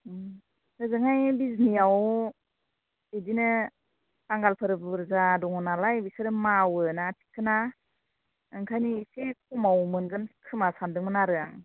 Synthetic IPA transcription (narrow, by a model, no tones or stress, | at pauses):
hɯzɯŋajbizniaw | edinɯ | saŋɡalpʰɯɾɯbɯɾzadɔŋɔnalajbisɯɾɯmawɯnatʰi̥kʰːɯna | ɯŋkʰajnisek̚ʰumawmɯnɡɯnkʰɯmasandɯŋmɯnaɾɯaŋ